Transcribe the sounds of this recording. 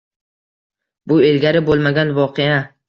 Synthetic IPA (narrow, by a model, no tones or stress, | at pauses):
bʊe̞lɡʲaɾɪbolˠmaɡʲanvɒqʰeja